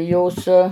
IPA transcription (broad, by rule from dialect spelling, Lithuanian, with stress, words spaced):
ˈjoːs